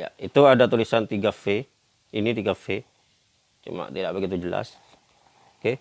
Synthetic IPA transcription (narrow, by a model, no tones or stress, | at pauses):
ja̰it̪uadat̪ulisant̪iɡafe | init̪iɡafe | t͡ʃṵma̰ʔt̪idaʔbəɡit̪̬ud͡ʒəla̰s | oke